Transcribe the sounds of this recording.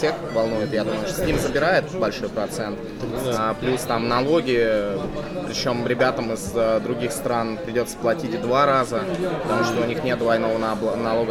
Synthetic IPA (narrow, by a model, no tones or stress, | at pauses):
sʲe̞xvɐlˠnujɪt̪jad̪uməjʂt̪oimzəbʲɪɾajɪt̪bɐlʲʂo̞jpɾɐt̪sɛnt̪ | plʲust̪amnɐlˠo̞ɡʲɪə | pɾʲɪt͡ɕo̞mɾʲɪbʲat̪əmɪzd̪ɾʊɡʲixst̪ɾanpɾʲɪdʲo̞t̪sə̥plˠɐtʲitʲd̪vaɾazəpət̪ɐmuʂt̪oʊnʲixnʲe̞t̪̚d̪vɐjno̞vənbnɐlˠo̞ɡə